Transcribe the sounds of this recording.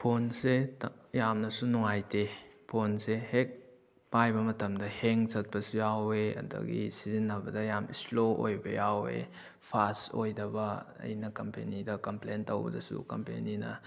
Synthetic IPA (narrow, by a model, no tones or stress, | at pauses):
pʰonsetjamnɐsunuŋajtepʰonsehek̚ | pajbɐmɐtɐmdɐheŋsɐt̚pɐsujaweɐ̰dɐ̰ɡḭsizinːɐbɐdɐjamisloo̰jbɐ̰jawḛ | pʰasojdɐbɐɐ̰jnɐkɐmpḛnidɐkɐmplentːowbɐ̰dɐsṵkɐmpḛninɐ̰